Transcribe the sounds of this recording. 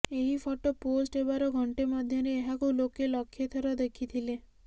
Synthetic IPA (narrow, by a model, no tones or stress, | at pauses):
eɦipʰɔʈoposʈebaɾɔɡʱɔɳʈemɔd̪ʱjɔɾeːɦakulokelɔkʰːjet̪ʰɔɾɔd̪ekʰit̪ʰile